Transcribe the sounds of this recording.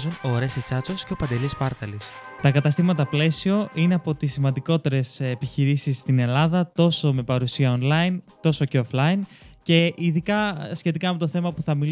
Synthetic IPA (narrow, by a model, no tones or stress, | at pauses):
zunoɾe̞sit͡sɐt͡sosce̞opɐnd̪e̞lispɐɾt̪ɐlis | t̪ɐkɐt̪ɐst̪imɐt̪ɐple̞sio̞ʔine̞ɐpo̞t̪isːimɐnd̪iko̞t̪e̞ɾe̞sepiçiɾisisːt̪ine̞lɐðɐt̪o̞so̞me̞pɐɾusiɐo̞nlɐint̪o̞so̞ce̞oflɐince̞ʔiðikɐsçe̞t̪ikɐme̞t̪oθe̞mɐpuθɐmi